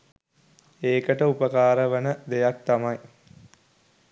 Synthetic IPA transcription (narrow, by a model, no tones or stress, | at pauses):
eːkəʈəupəkaːɾəʋənəd̪ejak̚t̪amɐj